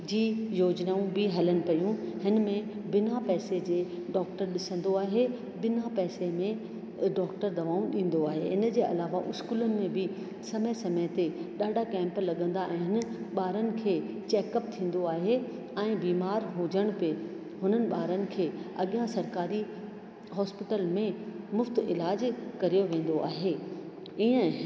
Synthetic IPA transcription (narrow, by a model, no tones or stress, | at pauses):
d͡ʑiːjoːd͡ʑnaːũbɪɦɐləñɪ̆pɐjũhɪnmẽbɪnapɛːsed͡ʑeː | ɖɔːk̚ʈəɾɗɪsə̃nd̪oaːɦe | bɪnapɛːsemẽ | ɖɔːkʈəɾd̪ɐʋaːũɗĩːn̆d̪oaːɦḛɦɪnd͡ʑeːʔɐ̰laːʋaʔʊskuːlənɪ̆mẽbɪ | sɐməɪsɐmət̪eɗaːɖʱakɛ̃ːmplɐɠə̃nd̪aʔɛɪ̃ɦɦɪnɓaːɾənɪ̆kʰeː | t͡ɕɛːkəp̚t̪ʰĩːn̆d̪oaːɦe | ɛ̃ːbiːmaːɾɦuːd͡ʑəɽ̃pe | ɦʊn̤ənɪ̆ɓaːɾənɪ̆kʰeːɐ̰ɠijãsɐɾkaːɾi | ɦɔːspɪʈəlmẽmʊft̪ɪlaːd͡ʑkɐɾijoʋẽːn̆d̪oʔa̰ːɦeː | iːə̃